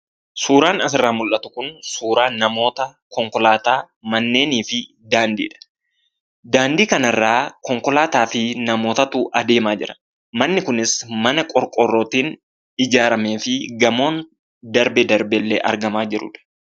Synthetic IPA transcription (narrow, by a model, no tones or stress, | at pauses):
suːɾaːnɐsɪrːaːmʊlʔɐt̪ʊ̥kʊnsuːɾaːnːɐmo̞ːt̪ɐ | kɔŋkɔlaːt̪aː | mɐnːe̞ːniːfɪ | d̪aːnd̪ḭːᶑɐ̥ | d̪aːnd̪iːkɐnɐrːaːkɔŋkɔlaːt̪aːfɪnɐmo̞ːt̪ɐt̪uːʔɐd̪e̞ːmaːd͡ʒɪ̰ɾɐ̥ | mɐnːɪkʊnɪsmɐnɐkʼɔɾkʼɔrːoːt̪iːn | ɪd͡ʒaːɾɐme̞ːfɪɡɐmo̞ːn | d̪ɐɾbɛd̪ɐɾbɛlːḛːʔɐɾɡɐmaːd͡ʒɪɾʊ̰ᶑɐ̥